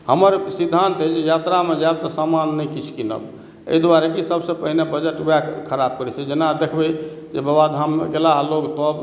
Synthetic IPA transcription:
həməɾsid̪ʱant̪ɦəd͡ʒejat̪ɾamed͡ʒab̪̚t̪ɔsamanːəjkit͡ʃʰkinə̰b | ḛid̪waɾekisəbsẽpəɦinebəd͡ʒeʈbakkʰəɾab̚kəɾɛt͡ʃʰɛd͡ʒenad̪ekʰbə | d͡ʒebəbad̪ʱamɡelaloɡt̪ɔb

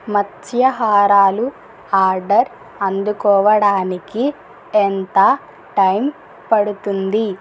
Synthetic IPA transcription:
mɐt̪ʰjɐɦaːɾaːlu | aːɾɖɐɾ | ɐnd̪ukɔːʋɐɽaːniki | ent̪ɐ | ʈɐjm | pɐɽut̪und̪i

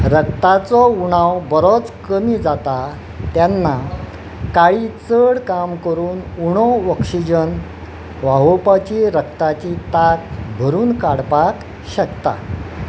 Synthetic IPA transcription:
ɾəkt̪at͡sɔuɽ̃awbəɾɔt͡skəmiːd͡zat̪a | t̪janːa | kaɭiːt͡səɽkamkəɾuːnuɽ̃ɔɔkʂid͡ʑən | ʋaɦopat͡ɕiɾək̚t̪at͡ɕit̪ak̚bʱəɾuːnkaɽpak | ɕəkt̪a̰

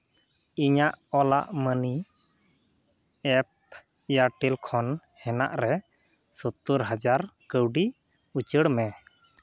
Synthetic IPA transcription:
iɲaʔɔlaʔməni | ɛp̚ | jaʈilkʰɔn | hɛna̰ʔɾɛ | sɔt̪uɾɦad͡ʒaɾkəwɖi | ut͡ʃəɽmɛ

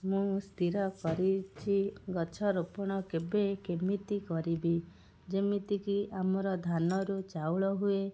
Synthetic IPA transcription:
mũst̪ʰiɾɔkɔɾit͡ʃʰiɡɔt͡ʃʰɔɾopɔɽ̃ɔkebekemit̪ikɔɾibi | d͡ʒemit̪ikiʔamɔɾɔd̪ʱanɔɾut͡ʃawɭɔɦue

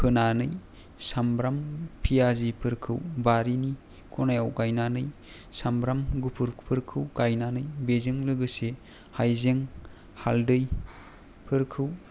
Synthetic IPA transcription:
pʰɯnanɯj | sambɾampʰijazipʰɯɾkʰɯwbaɾini | kʰɔnajawkajnanɯj | sambɾamɡupʰuɾpʰɯɾkʰɯwkajnanɯjbezɯŋlɯɡɯse | hajzeŋ | haldɯj | pʰɯɾkʰɯw

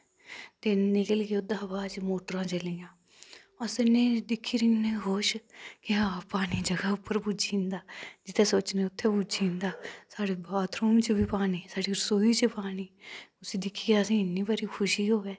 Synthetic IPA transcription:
t̪eːnːɪkəlkeʊd̪ãːbaːt͡ʃmoːʈəɾãːt͡ʃəlijãː | ɔsɪnẽːd̪ɪkʰːiːɾɪŋɡneɦoːʃkɪaːpaːniːd͡ʒəɡaːʊpːəɾpud͡ʒĩːnd̪aːd͡ʒɪt̪eːsoːt͡ʃneːʊt̪ʰːeːbud͡ʒiːnd̪aːsaːɽeːbaːt̪ɾuːmt͡ʃbiːpaːniːsaːɽiːɾəsoːiːt͡ʃpaːniːʊsiːd̪ɪkʰːiːaːsĩːɪnːiːbaːɾiːkʰʊʃiːɦoːɡɛː

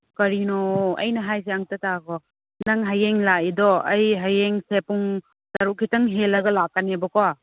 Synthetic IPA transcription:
kɐɾinɔɐ̰jnɐɦajs̬eaŋtatakɔ | naŋɦajeŋlaidɔɐjɦajeŋsepuŋ | saɾuʔkʰitaŋɦelːɐɡɐlakːanebɔkɔa

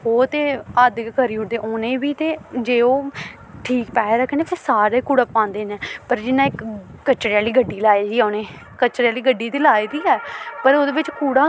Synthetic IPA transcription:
ɦoːt̪eːaːd̪kkəɾiːʊd̪eːʔoːnẽːbiːt̪eːd͡ʒeːoː | ʈʰiːkpɛːɾaːkɛ̃ːneːfʰeːsaːɾaːikuːɽaːpãːnd̪eːnɛːpəɾd͡ʒɪnãːɪkːət͡ʃɾeaːliːɡəɖːiːlaːed͡ʒiːaːnẽː | kət͡ʃɾaːliːɡəɖiːt̪eːlaːeːd̪iːɛːpəɾoːd̪eːʋɪt͡ʃkuːɽaː

